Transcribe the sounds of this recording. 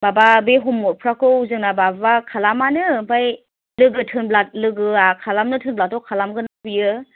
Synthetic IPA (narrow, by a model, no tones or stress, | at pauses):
bababeɦɔmɔpʰɾakɯuzɯŋnababakʰalamanɯbaj | lɯɡɯtʰɯnblat̚lɯɡɯakʰalamnɯtʰɯnblatɔkʰalamɡɯnabijɯ